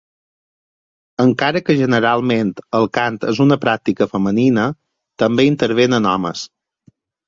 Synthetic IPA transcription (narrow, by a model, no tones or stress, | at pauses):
əŋkaɾəkəʒənəɾalˠment̪əlˠkant̪əzunəpɾak̚t̪ikəfəməninə | t̪əmbeint̪əɾβ̞enənɔ̰mə̰s